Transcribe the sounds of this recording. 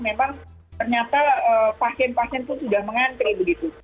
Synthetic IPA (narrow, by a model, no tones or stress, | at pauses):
memaŋ | t̪ərɲat̪aəpasɛnpasɛnt̪ʊnsudahməŋant̪ɾibəɡit̪u